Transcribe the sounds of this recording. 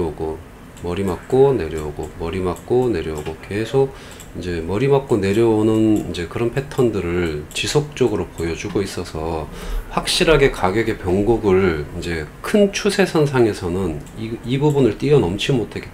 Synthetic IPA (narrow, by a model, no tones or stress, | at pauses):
uɡo | mʌɾimak̚k͈one̞ɾjʌuɡomʌɾimak̚k͈one̞ɾjʌuɡoke̞sʰoɡ̚ | ind͡ʑe̞mʌɾimak͈̚one̞ɾjʌonɯnind͡ʑe̞kɯɾʌnpʰe̞tʰʌndɯɾɯɭt͡ɕisʰok̚t͡ɕ͈ʌɡɯɾopojʌd͡ʑuɡois͈ʌsʰʌɸwak̚ɕ͈iɾaɡe̞kaɡjʌɡe̞pjʌŋɡuɡɯɭind͡ʑe̞kʰɯnt͡ɕʰusʰe̞sʰʌns̬ʰaŋe̞sʰʌnɯn | iibubunɯɭt͈iʌnʌmt͡ɕʰimotʰeɡet͈